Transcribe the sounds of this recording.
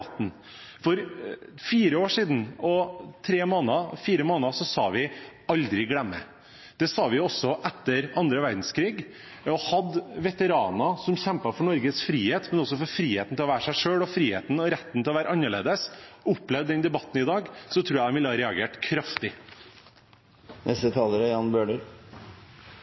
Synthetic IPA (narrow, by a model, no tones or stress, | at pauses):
t̪ːn̩ | fɔɾfiːɾəoːʂiːd̪n̩ɔt̪ʰɾeːmoːnəfiːɾəmoːnəsɔsɑ̰ːʋɪ | ɑld̪ɾɪɡlɛmːə̰ | d̪̥ɛsɑːʋɪɔsːɔʔɛt̪ːəɾɑnd̪ɾəʋæɾd̪n̩skʰɾiːɡ | ɔhɑd̪ʋɛt̪əɾɑːnɑsɔmçɛmpɑfɔɳɔɾɡəsfɾiːheːt̪mɛnɔsːɔfɔɾfɾiːheːt̪n̩ɪlɔʋæːɾəʂæɪʂøːɽɔfɾiːhḛːt̪n̩ɔɾɛt̪ːn̩t̪ɪlɔʋæːɾəɑnːəɭḛːd̪əsʊpːlɛʋd̪ɛnd̪ɛbɑt̪ːnɪd̪ɑːɡsɔt̪ʰɾuːjæd̪ɛnʋɪlːəhɑːɾɛɑɡeːʈkʰɾɑft̪ɪ | nɛst̪ət̪ʰɑːləɾəjɑnbøːɖəɾ